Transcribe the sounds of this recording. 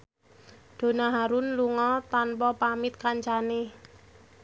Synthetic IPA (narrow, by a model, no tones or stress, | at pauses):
d̪̥o̤naɦaɾunluŋɔt̪anpɔpamɪt̪̚kaɲt͡ʃane